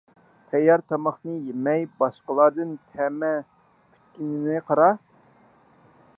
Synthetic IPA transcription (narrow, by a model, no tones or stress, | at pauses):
t̪ʰɛjːɑɾt̪ʰɑmɑχnɨjemɛjbɑʃqəlˠɑɾd̪ɨnt̪ʰɛmɛ | pʰy̥t̪̚kʲinɪnɨqʰɑɾɑ